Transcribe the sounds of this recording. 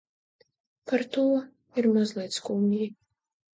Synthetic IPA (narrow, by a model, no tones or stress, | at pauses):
paɾt̪uɔ | iɾmazlˠijt̪skumʲji